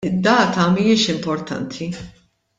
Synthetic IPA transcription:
ɪd̪ːɐːt̪ɐmijɪʃɪmpɔɾt̪ʰɐ̰nt̪ʰi

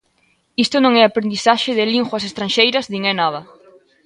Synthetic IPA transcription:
ist̪ʊnõŋɛapɾend̪iθaʃɪðɪliŋxwɐsest̪ɾanʃejɾɐzðiŋɛnaðɐ

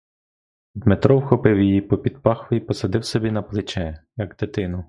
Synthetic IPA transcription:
d̪met̪ɾɔwxɔpɪwjijipɔpʲid̪̚pɑxʋɔipɔsɐd̪ɪwsɔbʲinɐplˠɪt͡ʃɛjɐɡd̪et̪ɪnʊ

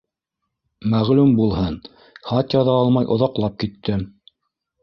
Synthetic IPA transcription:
mæʁlumbulˠhɤn | χɑt̪jɑðɑɑlˠmɑjʔŏðɑqlˠɑp̚kit̪ːɘ

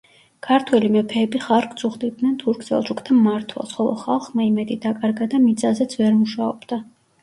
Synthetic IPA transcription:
kʰaɾt̪ʰwɛlimɛpʰɛːbiχaɾk̪ʰʼsʰʼuχd̪id̪nɛnt̪ʰuɾkʰsɛ̰lˠʃʰukʰt̪ʰamːaɾt̪ʰwɛ̰lˠsχɔlˠɔ̰χa̰lˠχmaimɛd̪id̪akʼaɾɡad̪amit̪sʼazɛt̪sʰvɛɾmuʃaɔ̰b̥d̪̥a

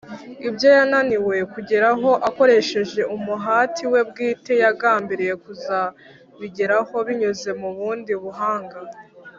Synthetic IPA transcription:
ibjo̞jananiwe̞kuɟeɾaɦo̞ʔako̞ɾe̞ʃe̞ʒe̞umuɦaːtʰiwe̞b̚ɡiːte̞jaɡaːmbiɾije̞kuza | βiɟeɾaho̞βiɲuze̞muβuːndiβuɦaːŋɡa

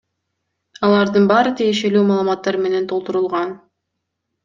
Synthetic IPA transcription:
ɑlˠɑɾd̪ɯnbɑːɾɯt̪ʰije̞ʃe̞lyːmɑːlˠmɑt̪ːɑɾme̞ne̞nt̪ʰo̞lˠt̪uɾulˠʁɑn

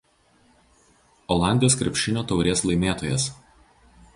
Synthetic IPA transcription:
ɔlˠɑˑnʲd̪ʲɪjoːskɾʲɛ̰pʲʃʲɪnʲoːt̪ɒʊɾʲeːslˠɐɪmʲeːt̪oːjɛs

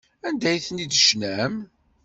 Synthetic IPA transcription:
ænd̪æjθənid̪əʃnæm

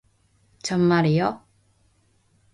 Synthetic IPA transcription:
t͡ɕʌmːaɾijo

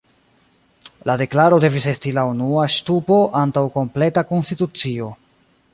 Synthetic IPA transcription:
lade̞klaɾo̞de̞vise̞stilaunuaʃtupo̞ʔantawko̞mple̞tako̞nstitut͡sio̞

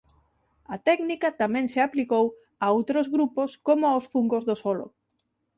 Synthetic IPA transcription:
at̪ɛknikat̪amɛ̃ŋseaplikow | aowt̪ɾozɣɾuposkomʊawsfuŋɡozðosɔlo̰

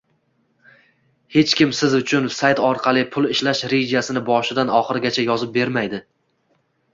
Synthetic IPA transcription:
he̞t͡ʃkʲɪmsɪzʊt͡ʃʰʊnsajt̪ɒɾqʰɑlˠɪpʰʊlˠɪʃlaʃɾed͡ʒasɪnɪbɒʃɪd̪anɒχɨɾɡʲat͡ʃʰajɒzɪp̚be̞ɾmajd̪ɪ

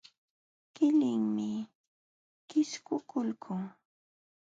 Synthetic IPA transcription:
kɪlɪŋmɪ | kɪskʊkʊlkʰʊŋ

